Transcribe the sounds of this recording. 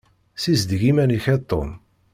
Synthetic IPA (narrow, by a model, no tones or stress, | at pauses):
sizd̪ʝimæniçæt̪ˤːo̰m